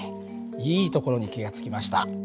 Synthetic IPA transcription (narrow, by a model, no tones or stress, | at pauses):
iːt̪o̞ko̞ɾo̞ɲ̟ikʲiɡat͡sɨ̥kʲimaɕi̥t̪a̰